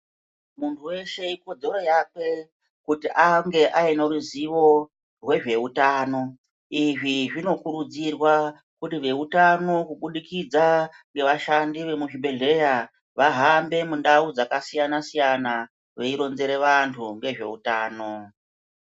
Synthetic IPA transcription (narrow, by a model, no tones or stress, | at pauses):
muntʰuwe̞ʃe̞ikod͡zeɾo̞jape̞ | kutiʔaŋɡe̞ʔaineruziʋo̞ | rwe̞ʐe̞utaːno̞ | iʐiʐino̞kuɾud͡zirwa | kutiʋe̞utano̞kuɓuɗikid͡za | ŋɡe̞ʋaʃandiʋe̞muʒibeɮe̞ja | ʋaɦambe̞mundaud͡zakasijanasijana | ʋeiɾo̞nze̞ɾe̞ʋantʰuŋɡe̞ʐe̞̰utaːno̞